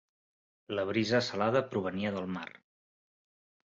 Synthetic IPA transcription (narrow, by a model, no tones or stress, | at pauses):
ləβ̞ɾizəːsəlaðəpɾuβ̞əniəðəlˠmar